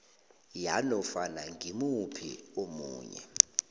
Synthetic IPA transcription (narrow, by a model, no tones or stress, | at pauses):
janɔfanaŋɡʱimupʰiomuːɲɛ̰